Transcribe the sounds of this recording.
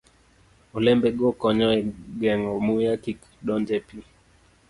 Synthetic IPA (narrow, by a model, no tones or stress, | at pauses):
olɛmbɛɡokɔɲɔɛɡɛŋɔmujakik | ɗɔnd͡ʒɛpi